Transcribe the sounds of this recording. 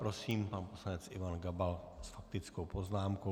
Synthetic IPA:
pɾo̞siːmpanposlanɛt͡sʔɪvanɡabalsfak̚t̪ɪt͡skowpoznaːmko

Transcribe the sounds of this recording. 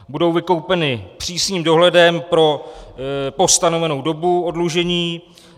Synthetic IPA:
budo̞wvɪko̞wpɛnɪpr̥iːsɲiːmdo̞ɦlɛdɛmpɾo̞ | po̞st̪ano̞vɛno̞wdo̞buodluʒɛɲiː

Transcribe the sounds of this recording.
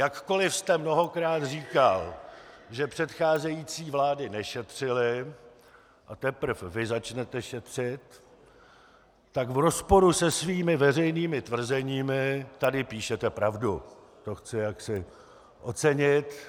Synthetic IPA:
jakko̞lɪfst̪ɛmno̞ɦo̞kɾaːt̪riːkalʒɛpr̥ɛt̪xaːzɛjiːt͡siːvlaːdɪnɛʃɛt̪r̝̥ɪlɪ | ʔat̪ɛpr̩fvɪzat͡ʃnɛt̪ɛʃɛt̪r̝̥ɪt̪ | akvɾo̞spo̞ɾusɛsviːmɪvɛrɛjniːmɪt̪vr̩zɛɲiːmɪt̪adɪpiːʃɛt̪ɛpɾavdu | t̪o̞xt͡sɪjaksɪ | ʔo̞t͡sɛɲɪt̪

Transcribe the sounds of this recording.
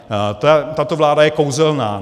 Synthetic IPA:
t̪at̪at̪ovlaːdajɛkowzɛlnaː

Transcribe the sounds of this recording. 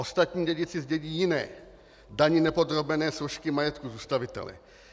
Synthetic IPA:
ost̪at̪ɲiːɟɛɟɪt͡sɪzɟɛɟiːjɪnɛ̰ː | daɲɪnɛpod̪ɾobɛnɛːsoʃkɪmajɛt̪kuzuːst̪avɪt̪ɛ̰lɛ̰

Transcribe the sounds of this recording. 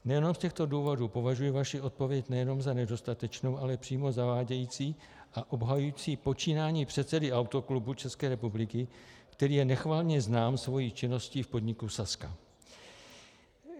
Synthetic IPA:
nɛjɛno̞mscɛxt̪o̞duːvo̞duːpo̞vaʒujivaʃɪʔo̞t̪̚po̞vjɛcnɛjɛno̞mzanɛdo̞st̪at̪ɛt͡ʃnowʔalɛpr̥iːmo̞zavaːɟɛjiːt͡siː | ʔaʔo̞bɦajujit͡siːpo̞t͡ʃiːnaːɲiːpr̝̥ɛt̪t͡sɛdɪawt̪o̞klubut͡ʃɛskɛːɾɛpublɪkɪkt̪ɛɾiːjɛnɛxvaːlɲɛznaːmsvo̞jiːt͡ʃɪno̞sciːfpo̞dɲɪkusaska

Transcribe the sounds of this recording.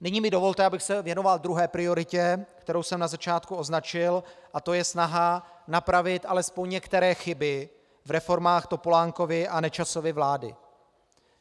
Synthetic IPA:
nɪɲiːmɪdo̞vo̞lt̪ɛʔabɪxsɛvjɛno̞vald̪ɾuɦɛːpɾɪo̞ɾɪcɛkt̪ɛɾo̞wsɛmnazat͡ʃaːt̪kuo̞znat͡ʃɪlʔat̪o̞jɛsnaɦa | napɾavɪt̪ʔalɛspo̞ɲɲɛkt̪ɛɾɛːxɪbɪ | vɾɛfo̞ɾmaːxt̪o̞polaːŋko̞vɪʔanɛt͡ʃaso̞vɪvlaːdɪ̰

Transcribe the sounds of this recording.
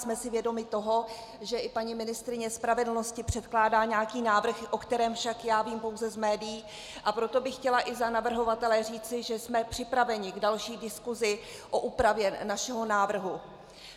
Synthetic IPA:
smɛsɪvjɛdo̞mɪt̪o̞ɦo̞ | ʒɛʔɪpaɲimɪnɪst̪ɾɪɲɛspɾavɛdl̩no̞scɪpr̝̥ɛt̪klaːdaːɲaːkiːnaːvr̩xʔo̞kt̪ɛɾɛːmfʃakjaːviːmpo̞wzɛzmɛːdɪjiː | ʔapɾo̞t̪o̞bɪxːcɛlaʔɪzanavr̩ɦo̞vat̪ɛlɛr̝iːt͡sɪʒɛsmɛpr̝̥ɪpɾavɛɲɪɡdalʃiːdɪskuzɪʔo̞ʔuːpɾavjɛnaʃɛɦo̞naːvr̩ɦu

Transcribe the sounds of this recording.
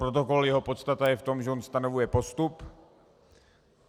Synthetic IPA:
ɾot̪oko̞ljɛɦo̞po̞t̪st̪at̪ajɛft̪o̞mʒɛʔonst̪ano̞vujɛpo̞st̪up

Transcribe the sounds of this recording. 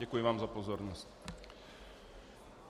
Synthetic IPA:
ɛkujɪvaːmzapɔzɔɾnɔsc

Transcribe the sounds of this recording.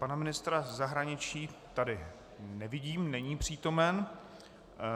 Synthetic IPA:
panamɪnɪst̪ɾazaɦɾaɲɪt͡ʃiːt̪adɪ | nɛvɪɟiːmnɛɲiːpr̝̥iːt̪o̞mɛn

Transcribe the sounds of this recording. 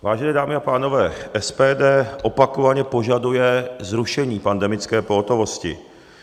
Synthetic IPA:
vaːʒɛnɛːdaːmɪapaːno̞vɛːʔɛspɛːdɛːʔo̞pakovaɲɛpo̞ʒadujɛzɾuʃɛɲiːpandɛmɪt͡skɛːpo̞ɦot̪o̞vo̞scɪ̰

